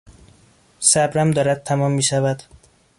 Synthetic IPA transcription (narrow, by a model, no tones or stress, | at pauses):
sæbɾæmd̪ɒːɾæd̪̚t̪ʰːæmɒːmːiːʃævæd̪̥